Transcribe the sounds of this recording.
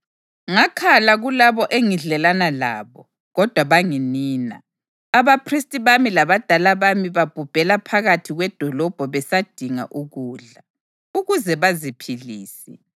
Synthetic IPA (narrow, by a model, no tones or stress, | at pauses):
ŋakʰalaɣulaβɔʔeŋiɮɛlanala̰ːβɔ | ɣɔd̥ʱwaβaŋiniːna̰ː | βapʰristʼiβamilaβad̥ʱalaβamiβab̥ʱub̥ʱɛlapʰaɣatʰiɣwɛd̥ʱɔlɔb̥ʱɔβɛsad̥ʱiŋa̰ʔuɣuːɮa | uɣuzɛβazipʰiliːsi